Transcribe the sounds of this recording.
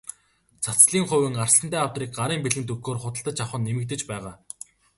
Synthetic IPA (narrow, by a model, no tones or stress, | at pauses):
t͡sʰat͡sɮiːŋχʊwɘ̆ŋarsə̆nt̪æːawt̪riːk̚ɢaɾiːmpiɮɘ̆nt̪̬ɵkɡoːrχʊt̪ə̆ɬt̪ə̆t͡ɕʰawχə̆nːemɘ̆k̚t̪ɘ̆t͡ɕpæːʁaː